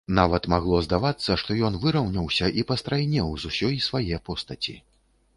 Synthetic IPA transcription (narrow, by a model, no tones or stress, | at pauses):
navɐt̪maɣlˠɔzd̪avat̪sːɐʂt̪ɔjɔnvɨɾɐwnʲɐwsʲɐʔipɐst̪ɾajnʲɛwzusʲɔjisvajɛpɔst̪ɐt͡sʲḭ